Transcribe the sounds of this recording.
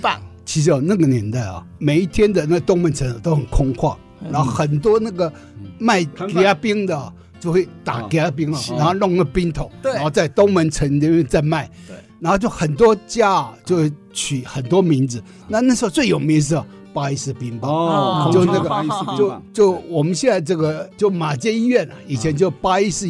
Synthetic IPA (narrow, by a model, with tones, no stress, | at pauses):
t͡ɕʰi˧˥ʂ̬ɻ̩˧˥ɔ˧na˥˩ɡə˩njɛ˧˥nt̪a˥˩ɪɐ̰˨˩me˨˩ɪi˥˩t̪ʰjɛ˥nd̪ə˨na˥˩ɡə˨t̪ʊ˥ŋmə˧˥nt͡sʰə˧˥n˨˧˩t̪o˥ʊxə˨˩nkʰʊ˥ŋkʰwɑ˥˩ | ɻa˧˥nxo˥˩˥ʊxə˨˩nt̪̬wɔ˥na˥˩ɡə˨˩ | ma˥˩ɪka˥pi˥ŋd̪ə˨ | t͡ɕjo˥˧ʊxwe˥˩ɪt̪a̰˨˩ki˧a˥p̬i˥ŋɐ˨a˧˥nxo˥˧lʊ˥˧ŋlə˥˩pi˥ŋt̪ʰo˨˦ʊɻxo˥˧ʊt͡sa˥˩ɪt̪ʊ˥ŋmə˧˥nʈ͡ʂʰə˧˥n˧ɛ˥we˥˧t͡sa˥˧ɪma˥˩ɪɻa˧˥xo˥˧t͡ɕjo˥˩ʊxə˨˩nt̪̬wɔ˥t͡ɕja˥t͡ɕjo˥˧ʊwe˥˩ɪ | t͡ɕʰy˨˩xə˨˩nt̪wɔ˥mi˧˥nd͡zɹ̩˧ | na˥˧na˥˩ʂɻ̩˧˥xo˧t͡swe˥˩ɪjo˨˩ʊmi˧˥ŋʂ̬̩˥˩˨ | pa˥i˥sɹ̩˥˧˩pi˧˥ŋba˨t͡ɕo˥˧ʊna˥˩ɡə˨˧t͡ɕjo˥˧ʊt͡ɕjo˥˩ʊwɔ˨˩mə˦nɕjɛ˥˧nt͡sa˥˧ɪʈ͡ʂɤ˥˩ɡə˨t͡ɕjo˥˩ʊma˨˩t͡ɕjɛ˥ni˥ɥɛ˥˩nɐ̰˨˩i˨˩t͡ɕʰjɛ˧˥nt͡ɕjo˥˩ʊpa˥i˥sɹ̩˥˧